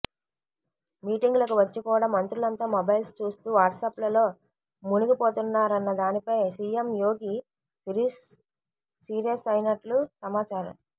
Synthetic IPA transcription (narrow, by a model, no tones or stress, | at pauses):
miːʈiŋɡulɐkuʋɐt͡ʃːikuːɽaːmɐnt̪ɾulɐnt̪aːmobɐjlst͡ʃuːst̪uːʋaːʈsɐːplɐlo̞ː | munukipoːt̪unːaːɾɐnːɐd̪aːnipɐjsiːemjo̞ːɡi | i | iːɾijɐsɐjinɐʈlusɐmaːt͡ʃaːɾɐ̰m